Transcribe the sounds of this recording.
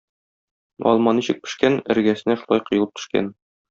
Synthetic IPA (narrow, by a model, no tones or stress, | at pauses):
ɒ̰lˠmɑniɕɘ̆k̚pɘ̥̆ʃkænɘ̰̆ɾɡæsɘ̆næʃulˠɑjqɤ̆jɤ̆lˠɤp̚t̪ɵ̥̆ʃkæ̰n